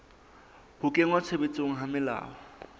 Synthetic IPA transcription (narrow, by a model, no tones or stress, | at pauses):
b̥ʊkʼeŋwat͡sʰebet͡sʼoŋ̩ɦamɪla̰ːɔ